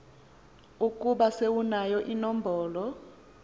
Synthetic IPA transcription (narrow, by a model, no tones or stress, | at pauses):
ukʼuɓasewunajɔʔinɔm̩bʱɔːlɔ